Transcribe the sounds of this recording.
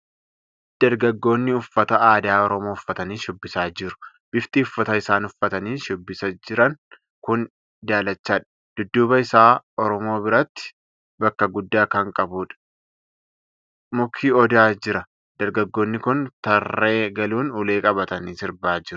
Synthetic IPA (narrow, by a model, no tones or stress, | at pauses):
d̪̥ɐɾɡɐɡːo̞ːnːɪʊfːɐt̪ɐaːd̪aːɔɾɔmoːʊfːɐt̪ɐniːʃʊbːɪsaːd͡ʒɪɾʊ̥ | b̥ɪft̪iːʊfːɐt̪ɐɪsaːnʊfːɐt̪ɐniːʃʊbːɪsɐd͡ʒɪɾɐŋ | kʊn | d̪aːlɐt͡ʃːaːᶑɐ̥ | d̪̥ʊd̪ːuːbɐɪsaːɔɾɔmo̞ːbɪɾɐt̪ːɪ̥ | bɐkːɐɡʊd̪ːaːkɐŋkʼɐbuːᶑɐ̥ | mʊkʰːiːɔd̪aːd͡ʒɪɾɐ | d̪̥ɐɾɡɐɡːo̞ːnːɪkʊnt̪ɐrːe̞ːɡɐluːnʊle̞ːkʼɐbɐt̪ɐnisɪɾbaːd͡ʒɪɾʊ̥